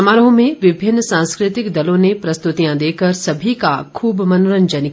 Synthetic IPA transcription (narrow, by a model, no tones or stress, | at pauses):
maːɾəɦõmẽʋɪbʱɪnːsãːnskɾɪt̪ɪkd̪ɐlõnepɾɐst̪ʊt̪ijãd̪eːkəɾsɐbʱikakʰuːbmɐnoɾəɲd͡ʒənɪk